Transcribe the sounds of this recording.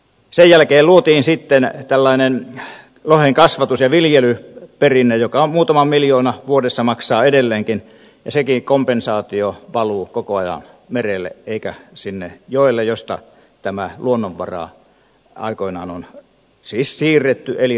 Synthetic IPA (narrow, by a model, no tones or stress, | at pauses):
sejjælkeːluot̪iːnsit̪ːent̪ælːɑinen | loheŋkɑsʋɑt̪usjɑʋiljelyperinːejjokɑmuːt̪ɑmɑmmiljoːnɑʋuodesːɑmɑksɑːedelːeːŋkin | jɑsekikompensɑːt̪ioʋɑluːkokoɑjɑ̰n | merelːḛeikæsinːejoˑelːejost̪ɑ̰ | t̪æmæluonːoʋʋɑ̰rɑ̰ | ɑ̰ˑikoinɑːnon | siːssiːrːet̪ːyeli